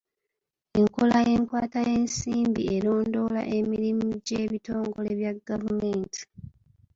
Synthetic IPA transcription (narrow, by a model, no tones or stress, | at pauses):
eŋkolaje̞ːŋkwaːtaje̞ːnsiːmbieɾo̞ːndo̞la̰ʔe̞miɾimuɟeːβitoːŋɡo̞le̞βjaɡːavumeːnti̥